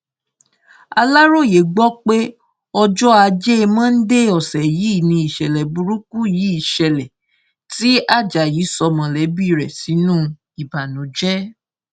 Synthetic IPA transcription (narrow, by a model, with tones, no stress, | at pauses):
a˧la˦ɾo˦˨je˨ɡ͡bɔ˦k͡pe˦ | ɔ˧d͡ʒɔ˦a˧d͡ʒe˦e˧mã˦n̩˦de˦ɔ˨sɛ˨ji˨˦˨nĩ˧i˨ʃɛ˨lɛ˨bu˧ɾu˦ku˦ji˨˦i˦˨ʃɛ˨lɛ˨ | ti˦a˦˨d͡ʒa˨ji˨˦sɔ˧mã˧˨lɛ˨˦bi˦˨ɾɛ˨si˨˦nũ˦ | i˨ba˨nũ˨˦d͡ʒɛ˦